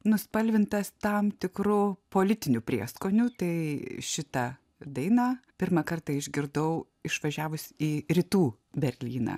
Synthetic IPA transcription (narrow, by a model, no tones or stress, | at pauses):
nʊspɐlʲʋʲɪnt̪ɐst̪ɐmt̪ʲɪkɾʊpoːlʲɪt̪ʲɪnʲupʲɾʲiɛskoːnʲut̪ɐɪʃʲɪt̪ɐ | d̪ɐɪnɑːpʲɪɾmɐkɐrt̪ɐɪʒʲɡʲɪɾd̪ɐʊ | ɪʃʋɐʒʲæːʋʊsʲiːɾʲɪt̪uː | bʲɛɾʲlʲiːnɑ̰ː